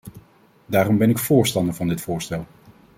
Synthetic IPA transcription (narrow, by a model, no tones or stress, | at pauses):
daːɾɔmbɛnɪkfʊːɹstɑndəɹvɑndɪtfʊːɹstɛlˠ